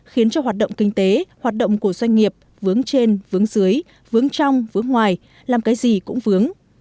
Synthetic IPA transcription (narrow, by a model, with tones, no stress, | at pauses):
xi˨˦ənt͡ɕɔ˧ɦwaː˨˩t̚ɗə̰˧˨ŋ͡mkï˧ŋ̟t̪e˨˦hwaː˨˩t̚ɗə̰˧˨wŋ͡mku˧˩əzwa˧jŋ̟ŋi˨˩əp̚ | vɨ˨˦əŋt͡ɕe˧nvɨ˨˦əŋzɨ˨˦əj | vɨ˨˦əŋt͡ɕa˧wŋ͡mvɨ˨˦əŋːwaː˨˩j | laː˨˩mkaː˨˦jzi˨˩kʊ̰˧˥ŋ͡mvɨ˨˦əŋ